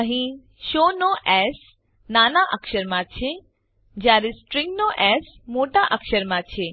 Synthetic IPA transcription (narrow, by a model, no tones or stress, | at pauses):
əɦĩ | ʃoːnoʔɛːs | naːnaʔəkʃəɾmãt͡ʃʰe | d͡ʒaːɾesʈɾɪ̃ŋɡnoʔɛs | moːʈaʔəkʃəɾmãt͡ʃʰe